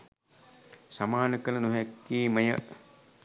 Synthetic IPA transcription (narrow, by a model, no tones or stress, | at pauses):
samaːnəkənənuɦakːiːməjə